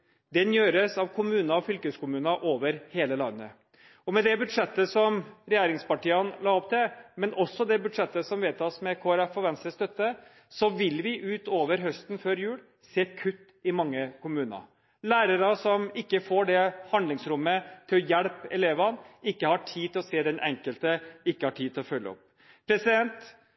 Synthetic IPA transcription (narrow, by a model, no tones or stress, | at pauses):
d̪ɛnjøːɾəsɑʋkʰʊmʉːnɑɔfʏlkəskʊmʉːnɑʔoːʋəɾheːləlɑ̰nːə̰ | ɔmɛd̪ɛbʉd̪ʂɛt̪ːəsɔmɾɛjeːɾɪŋspɑʈiːɑnlɑːɔp̚t̪ʰɪmɛnʔɔsːɔd̪ɛbʉd̪ʂɛt̪ːəsɔmʋeːt̪ʰɑːsmɛkʰoːæɾɛfɔʋɛnst̪ɾəst̪œt̪ːə | sɔʋɪlʋɪʔʉːt̪oːʋəɾɦœst̪n̩føːɾjʉːl | seːkʰʉt̪ːɪmɑŋːəkʰʊmʉːnɑ̰ | læːɾəɾəsɔmɪkːəfoːɖɛhɑnd̪ɪŋsɾʊmːət̪ʰɪlɔjɛlpɛleːʋɑnɪkːəhɑʈʰiːt̪ʰɪlɔseːd̪ɛnʔɛŋkəlt̪əɪkːəhɑʈʰiːt̪ʰɪlɔfœlːə̰ɔ̰pː | pʰɾɛsɪd̪ɛnt̪